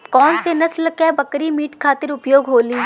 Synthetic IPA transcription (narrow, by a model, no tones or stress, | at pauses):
kɔːnsenɐslkɛbɐkɾimiːʈkʰaːt̪ɪɾʊpjoːɡɦoːliː